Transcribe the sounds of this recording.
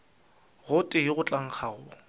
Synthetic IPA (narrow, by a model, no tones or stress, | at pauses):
ɣʊtʼɪjɪɣʊt͡ɬʼaŋ̩χʰaɣʊ